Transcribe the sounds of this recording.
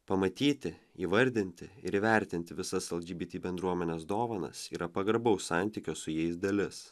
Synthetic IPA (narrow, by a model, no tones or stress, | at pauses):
pɐmɐt̪ʲiːt̪ʲɪ | iːʋɐɾʲd̪ʲɪnʲt̪ʲɪɪɾiːʋʲæˑɾʲt̪ʲɪnʲt̪ʲɪʋʲɪsɐsɛlˠd͡ʒʲiːbʲiːt̪ʲiːbʲɛnd̪ɾuɔmʲɛnʲeːsd̪oːʋɐnɐ̰siːɾɐpɐɡɐɾbɐʊssɑˑnʲt̪ʲiːkʲoːsʊjɛɪsd̪ɐlʲɪs